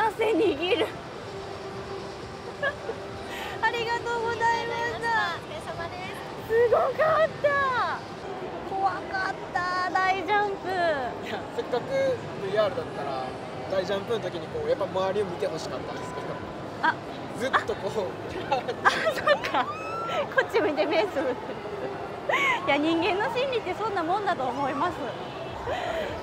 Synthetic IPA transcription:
aseɲiɡʲiɾɯ̟ | aɾʲiɡat̪o̞ːɡo̞zaimaɕt̪a | ae | sɨɡo̞kat̪ːa | ko̞βakat̪ːad̪aiʑãmpɯjase̞kːakɯ̟ | dɯiaːɾɯ̟d̪at̪ːaɾa | d̪aiʑãmpɯ̟not̪̬o̞kʲiɲ̟iko̞ːjapːamaaɾʲio̞mʲit̪e̞ɦo̞ɕi̥kat̪ːãnd̪e̞sɨ̥ke̞d̪o̞m | a | zɨt̪ːo̞koː | aasokʰːa | ko̞t͡ɕːiomit̪emeːsɨɯt̪ːe | jaɲ̟ĩŋɡẽ̞nːo̞ɕĩnɾʲit̪ːe̞sõ̞nːamõ̞nd̪at̪o̞ːmo̞imasɨ

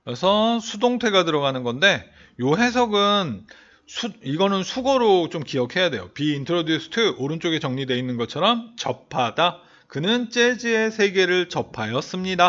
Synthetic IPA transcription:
kɾesʰʌsʰudoŋtʰwe̞ɡadɯɾʌɡanɯnɡʌnde̞ | joɦe̞sʰʌɡɯn | sʰuiɡʌnɯnsʰuɡʌɾot͡ɕomkijʌkʰe̞jadwe̞jopiːntʰɯɾodjusʰɯ̥tʰɯoɾɯnt͡ɕ͈oɡe̞t͡ɕʌŋɲidwe̞inːɯnɡʌt͡ɕʰʌɾʌmt͡ɕʌpʰada | kɯnɯnt͡ɕ͈e̞d͡ʑie̞sʰe̞ɡe̞ɾɯɭt͡ɕʌpʰajʌs͈ɯmɲida

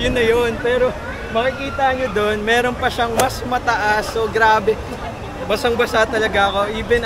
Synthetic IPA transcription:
jʊnːɐjonpɛːɾo̞ | mɐkɪkiːt̪ɐɲod̪o̞nmɛːɾo̞npɐʃaŋmɐsmɐt̪ɐʔasoɡɾaːbɛ | bɐsɐŋbɐsat̪ɐlɐɡaɐko̞ʔiːbɛn

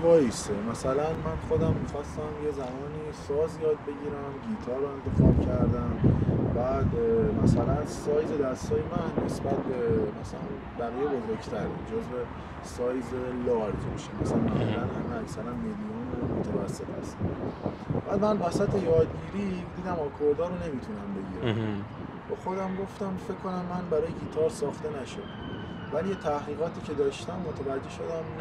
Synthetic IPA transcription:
vɒːjist̪emæsælænmænxo̞d̪æmːit̪fæsːæmjezæmɒːniːsɒːzjɒːd̪̚be̞ɟiːɾæmɟit̪ʰɒːɾɒe̞nt̪ʰe̞fɒcʰæɾd̪æmbæːd̪mæsælænzsɒːjze̞d̪æst̪ɒːje̞mænːe̞sbæt̪̚ʰbe̞mæsæ̰læ̰n | bæɣiːjebo̞zoɾɟt̪ʰæɾḭd͡ʒozve | sɒːjzelɒɾd͡ʒbiʃimmæsnmæ̰ulænhæmeæcsæɾænmed̪imɒːnemot̪ʰævæ̰sːe̞t̪ʰæ̰st̪ | b̥æːd̪mænvæsæt̪ʰe̞jɒːd̪̚ɟiːɾid̪iːd̪æmɒkʰoɾd̪ɒːɾone̞mit̪ʰunæmbe̞ɟiːɾæm | xoxod̪æmɡo̞ft̪æmfe̞kʰːo̞næmːænbæɾɒːjeɟiːt̪ʰɒɾsɒːxt̪e̞næʃod̪æm | væliːjet̪ʰæhɣiːɣɒːt̪ʰiːcʰe̞d̪ɒːʃt̪æmːot̪ʰævæd͡ʒːe̞ʃo̞d̪æmn

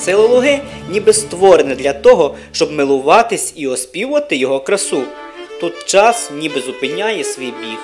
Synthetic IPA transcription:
sɪlˠɔlˠʊɦɪnʲibɪst̪ʋɔɾenɛd̪lʲɐt̪ɔɦɔ | ʃt͡ʃɔbmɪlˠʊʋɑt̪ɪsʲiɔspʲiwʊʋɐt̪ɪjɔɦɔkɾɐsu | t̪ut̪t͡ʃɑsnʲibɪzʊpɪnʲɑjɛsʋʲijbʲik

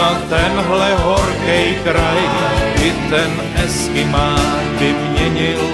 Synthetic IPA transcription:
at̪ɛnɦlɛɦorkɛjkɾajɪt̪ɛn | ʔɛskɪmaː | bɪmɲɛɲɪl

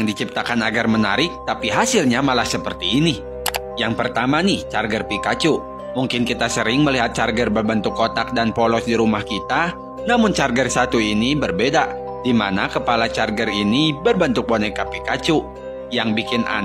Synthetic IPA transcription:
jaŋdit͡ʃip̚t̪akanaɡarmənaɾɪk̚t̪apiɦasɪlɲamalahsəpərt̪iːni | jaŋpərt̪amanɪht͡ʃarɡərpikat͡ʃu | muŋkɪnkit̪asəɾɪŋməliɦat̪̚t͡ʃarɡərbərbənt̪ʊkːot̪ak̚danpolɔsdiɾumahkit̪a | namʊnt͡ʃarɡərsat̪uinibərbeda | dima̰nakəpalat͡ʃarɡərinibərbənt̪ʊk̚bonɛkapikat͡ʃu | jaŋbikɪnʔa̰n

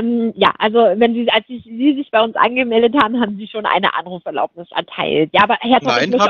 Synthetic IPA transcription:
mja̰ːʔalzovɛnziːalsz̥ɪziːzɪçb̥aɪʊnsʔa̰nɡəmɛldəthaːbm̩haːbm̩ziːʃoːnʔa̰ɪnə̰ʔa̰nʁuːfɛɐla̰ʊp̚nɪsʔɛ̰ɐtʰa̰ɪltjaːʔːbɐheːɐtʰaɪmɪ

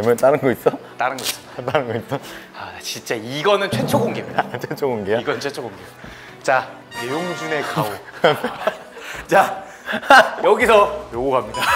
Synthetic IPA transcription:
emjʌnt͈aɾɯnɡʌis͈ʌt͈aɾɯnɡʌis͈ʌ̥t͈aɾɯnɡʌis͈ʌat͡ɕint͡ɕ͈aiɡʌnɯnt͡ɕʰe̞t͡ɕʰoɡoŋɡemɲidat͡ɕʰwet͡ɕʰoɡoŋɡejoiɡʌnɯnt͡ɕʰet͡ɕʰoɡoŋɡejo | t͡ɕa | nejoŋd͡ʑune̞kao | t͡ɕa | jʌɡisʰʌjoɡoɡamɲida

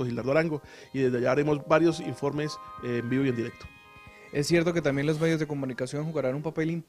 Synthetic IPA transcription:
oxilaɾðoaɾaŋɡoiðezd̪eaʝaːɾemo̞zbaɾjo̞siɱfo̞ɾme̞smbiβoiend̪iɾe̞k̚t̪o̥ | e̞sːje̞ɾt̪o̞ke̞t̪ambje̞nlo̞z̬me̞ðjo̞zðeko̞munikasjo̞ŋxuɣaɾanumpape̞limp

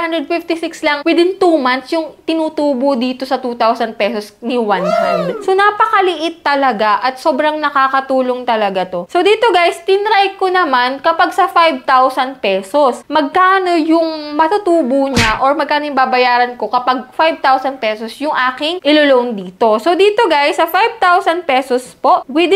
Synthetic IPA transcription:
hand̪ɾɛd̪̚fɪft̪ɪsɪkslɐŋwɪd̪ɪnt̪uːmant̪sjʊŋt̪ɪnuːt̪uːbod̪iːt̪o̞sɐt̪uːt̪awsɐnd̪̚pɛsosnɪwanhand̪sonaːpɐkɐlɪʔɪt̪ːɐlɐɡaʔɐt̪̚so̞ːbɾɐŋnɐkaːkɐt̪uːlo̞ŋt̪ɐlɐɡat̪o̞sod̪iːt̪oɡajst̪ɪnɾajkonɐmankɐpaɡsɐfajb̚t̪awsɐnd̪̚pɛːsosmɐɡ̚kaːno̞jʊŋmɐt̪ʊt̪uːboɲaʔoɹmɐɡ̚kaːnojʊŋbaːbɐjaːɾɐnko̞kɐpaɡ̚fajvt̪awsɐnd̪̚pɛːsosjʊŋʔaːkɪŋʔɪloloʔoŋd̪iːt̪o̞sowd̪iːt̪o̞ɡajsːɐfajb̚t̪awsɐnd̪̚pɛːsospo̞ʔwɪd̪

